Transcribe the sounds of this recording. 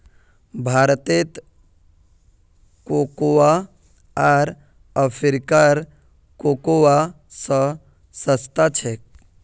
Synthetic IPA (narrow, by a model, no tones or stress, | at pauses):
bʱaːɾt̪et̪ | kokowa | aɾ | əpʰiɾkaɾ | kokowa | sə | səst̪at͡ʃʰek